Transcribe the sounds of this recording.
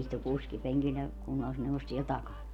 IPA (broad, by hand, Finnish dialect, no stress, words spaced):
istu kuskipeŋkil jɑ kunːɑlːisneuʋos siel tɑkɑn